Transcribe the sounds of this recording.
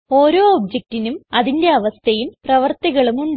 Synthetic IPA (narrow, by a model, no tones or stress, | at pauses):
o̞ːɾo̞ːobd͡ʑek̚tinumɐðinde̞ɐʋɐst̪ʰɐjumprɐʋɐrt̪iɣɐɭumuɳɖ